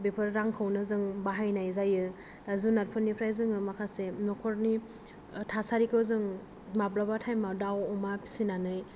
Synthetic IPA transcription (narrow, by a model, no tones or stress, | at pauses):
bepʰɯɾːaŋkʰɯwnɯzɯŋbaɦajnajzajɯ | dazunaɾpʰɯnipʰɾajzɯŋɯmakʰasenɔkʰɔɾni | tʰasaɾikʰɯwzɯŋ | mablabatʰajmadawɔmapʰi̥sinanɯj